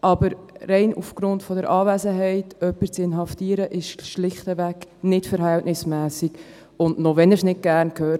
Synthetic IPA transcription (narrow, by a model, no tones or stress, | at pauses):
ʔɑbəɾɾɛɪnṵfɡ̥ɾʊntfɔdəɾʔɑːvɛzəɦɛɪtœpːəɾt͡sɪnɦɑftiːəɾəʔɪʃʃlɪχtəvæknɪtfəɾɦæltnɪsmæːsiɡ | ʊndnoʋɛnəsnɪt̚ɡ̥æːɾnkʰhøː